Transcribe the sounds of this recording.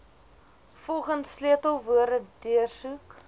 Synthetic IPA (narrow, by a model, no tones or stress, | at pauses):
fɔlˠχəntsliətəlˠvuəɾədiərsuk